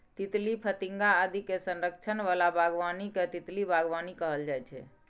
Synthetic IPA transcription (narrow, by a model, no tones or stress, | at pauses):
t̪it̪lipʰət̪iŋɡaːd̪ikesənɾək̚t͡ʃʰənʋalabʱaɡʋaniket̪it̪libʱaɡʋanikəɦəld͡ʒajt͡ʃʰɛ̰